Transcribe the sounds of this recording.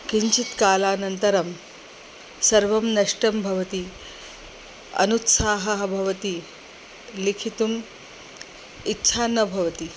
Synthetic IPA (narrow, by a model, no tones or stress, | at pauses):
kiɲt͡ɕit̪kaːlaːnɐnt̪ɐɾɐm | sɐɾʋɐmnɐʂʈɐmbʱɐʋɐt̪i | ɐ̰nut̪saːɦɐɦɐbʱɐʋɐt̪iː | likʰit̪um | itːɕʰaːnːɐbʱɐʋɐt̪i